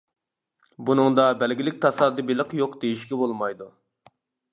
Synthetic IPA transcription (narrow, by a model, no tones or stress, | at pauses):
bunɨŋd̪ɑbɛlɡʲilɪk̚ʲt̪ʰɑsɑd̪ɨbelˠəqjoqd̪ejiʃkʲɛbolˠmɑjd̪u